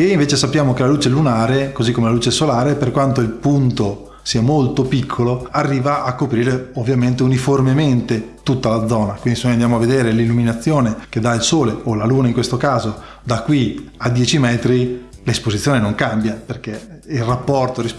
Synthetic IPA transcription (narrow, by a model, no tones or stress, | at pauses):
eiɱveːt͡ʃesapːjaːmokelaluːt͡ʃelunaːɾekozikːomelaluːt͡ʃesolaːɾeperkwant̪oilpunt̪o | siːamolt̪opikʰːoloarːiːvaʔakːopɾiːɾeovːjament̪̬euniformement̪et̪ut̪ːalad̪zːɔːnakwind̪isenojand̪jaːmoavːed̪eːɾelilːuminat̪sːjoːnek̟ed̪ailsoːleolaluːnaiŋkwest̪okaːzo | d̪akːwiad̪ːjɛːt͡ʃimɛːt̪ɾilespozit̪sːjoːnenoŋkambjaperkeilrapːɔrt̪oɾis